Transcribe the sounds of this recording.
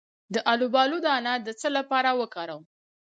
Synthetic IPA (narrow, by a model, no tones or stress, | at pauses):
d̪əʔalubɑlud̪əanad̪ət͡səlapɑɾawəkɑɾaw